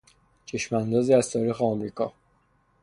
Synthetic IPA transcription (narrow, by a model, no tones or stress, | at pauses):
t͡ʃʰe̞ʃmænd̪ɒːziːæzt̪ʰɒːɾiːxeɒmɾiːkʰɒː